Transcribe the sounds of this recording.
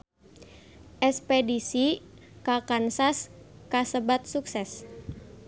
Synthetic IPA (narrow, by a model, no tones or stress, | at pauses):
ʔɛspedisi | kakansas | kasəbat̪̚suksɛs